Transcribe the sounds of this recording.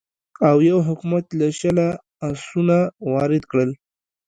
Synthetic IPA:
awjawɦʊkmat̪laʃala | asunawɑɾɪd̪kɽəl

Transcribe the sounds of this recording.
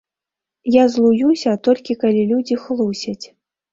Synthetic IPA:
jazlˠujusʲɐt̪ɔlʲkʲikalʲilʲud͡zʲixlˠusʲɐt͡sʲ

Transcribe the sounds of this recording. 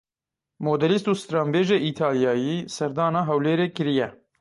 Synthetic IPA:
moːd̪ɛlist̪uːst̪ɾɑːmbeːʒeːʔiːt̪ʰɑːljɑːjisɛɾd̪ɑːnɑːɦɛwleːɾeːkɨɾijɛ

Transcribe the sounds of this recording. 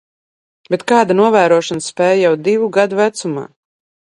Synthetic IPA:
bet̪kaːd̪anuɔvæːɾuɔʃanspɛːjjawd̪ivuɡad̪uvæt̪suma̰ː

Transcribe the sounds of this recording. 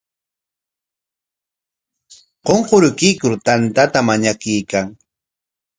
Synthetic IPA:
qoɴqoɾʊkɪjkʊɾt̪ant̪at̪amaɲakɪjkaŋ

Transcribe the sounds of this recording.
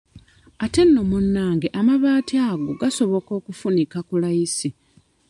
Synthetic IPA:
ate̞nːo̞munːaːŋɡeʔamaβaːtiaɡoɡaso̞βo̞ko̞ːkufunikakulajisi

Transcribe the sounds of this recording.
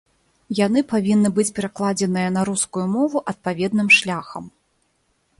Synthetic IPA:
janɨpavʲinːɨbɨt͡sʲpʲɛɾaklˠad͡zʲɛnɨjɐnɐɾuskujumɔvuʔɐt̪̚pavʲɛd̪nɨmʂlʲaxɐ̰m

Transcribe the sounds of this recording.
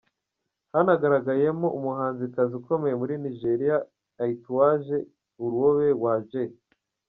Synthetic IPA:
hanaɡaɾaɡajemoʔumuhaːnzikaziko̞me̞jemuɾiniʒe̞ɾijaː | ituwaʒe̞ | uɾuwoβe̞waːʒe

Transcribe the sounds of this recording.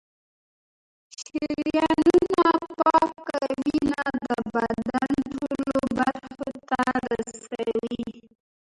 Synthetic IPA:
ʃiɾjɑnnunapɑkːawinad̪əbadd̪anʈoollobaɾxot̪aɾasawi

